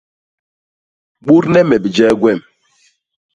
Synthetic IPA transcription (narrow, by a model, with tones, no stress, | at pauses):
ɓu˦ɾnɛ˦mɛ˨bi˨d͡ʒɛ˦ɡwɛ˦˨m